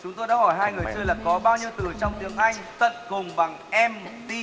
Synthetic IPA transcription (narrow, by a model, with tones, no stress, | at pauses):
t͡ɕʊ˨˦ŋ͡mt̪o˧jɗa̰ː˧˥hɔ˧˩jɦaː˧jŋɨ˨˩əjt͡ɕɨ˧əjlaː˨˩kɔ˨˦ɓaː˧wɲi˧əwt̪ɨ˧˩t͡ɕɔ˧wŋ͡mt̪i˨˦əŋʔa˧jŋ̟t̪ə̰˧˨nkʊ˨˩ŋ͡mɓa˨˩ŋʔɛ˧mt̪i˧